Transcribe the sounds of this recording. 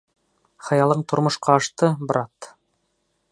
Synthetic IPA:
χɑ̆jɑlˠɤɴt̪ŏɾmŏʃqɑːʃt̪ɤbɾɑt̪

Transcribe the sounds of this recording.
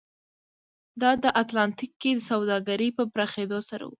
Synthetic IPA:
d̪ɑd̪əʔat̪lɑnt̪ikːed̪əsawd̪ɑɡaɾipəpɾɑxed̪osaɾa̰wṵ

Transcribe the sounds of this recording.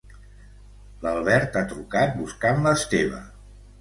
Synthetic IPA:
ləlˠβɛɾt̪at̪ɾukat̪̚buskanləst̪eβ̞ə̰

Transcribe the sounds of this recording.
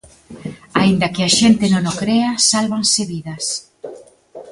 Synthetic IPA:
aind̪ɐkɪaʃent̪ɪnõnokɾeasalβaŋseβiðɐs

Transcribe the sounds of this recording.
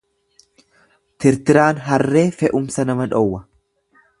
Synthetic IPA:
t̪ɪɾt̪ɪɾaːnɦɐrːe̞ːfɛʔʊmsɐnɐmɐᶑɔwːɐ

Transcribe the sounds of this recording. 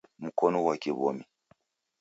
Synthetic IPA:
m̩kɔnɔwakiβɔ̰mi

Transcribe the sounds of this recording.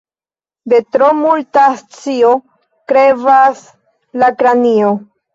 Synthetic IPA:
de̞tɾomultast͡sio̞ | kɾevas | lakɾanio

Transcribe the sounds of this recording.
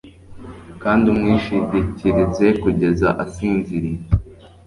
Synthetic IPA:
kaːndiumŋiːʃiɟiciɾize̞kuɟe̞za̰ʔasiːnziɾi

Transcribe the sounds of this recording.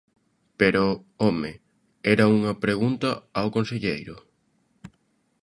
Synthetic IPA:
peɾoome | ɛɾɐuŋɐpɾeɣunt̪ɐawkonseʎejɾʊ

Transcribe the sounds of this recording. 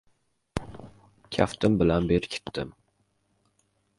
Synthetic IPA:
kʲʰa̰ft̪ʰɪmbɪlanbeɾkʲʰɪ̥t̪ʰːɪm

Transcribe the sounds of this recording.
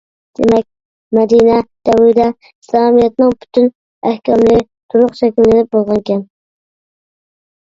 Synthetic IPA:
d̪̥ḛmɛk̚ʲ | mɛd̪inɛd̪̥ɛwud̪ɛ | islˠɑɑmijɛt̪nɨŋpʰy̥t̪ʰyn | æhkʲɛmlɪ | t̪ʰuɾʊqʃɛkʲillɪnɪp̚bolˠʁɑnkʲʰɛn

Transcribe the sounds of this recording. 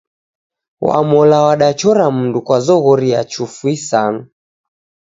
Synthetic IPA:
wa̰mɔlawaɗat͡ʃɔɾam̩ndukwazɔɣɔɾiat͡ʃufwisana

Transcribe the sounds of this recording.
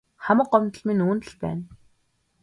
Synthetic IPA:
χamə̆qːɔmt̪ə̆ɮminuːnt̪ə̆ɮpæ̰ːn

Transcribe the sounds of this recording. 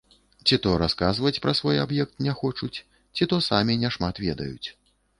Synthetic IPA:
t͡sʲit̪ɔɾaskazvɐt͡sʲpɾɐsvɔjabjɛk̚t̪̚nʲɛxɔt͡ʂut͡sʲ | t͡sʲit̪ɔsamʲinʲɛʂmat̪vʲɛ̰d̪ɐ̰jut͡sʲ

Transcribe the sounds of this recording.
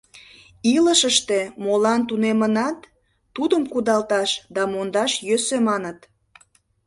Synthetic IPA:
iləʃəʃt̪emolɑnt̪unemənɑt̪ː | ud̪əmkud̪ɑlt̪ɑʃd̪ɑmond̪ɑʃjøsømɑnət̪

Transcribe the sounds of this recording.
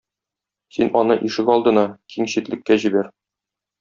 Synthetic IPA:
sinɒnɤʔiʃɘkɒlˠd̪ɤ̆nɑkʰiŋɕit̪lɘ̆kːæʑibæɾ

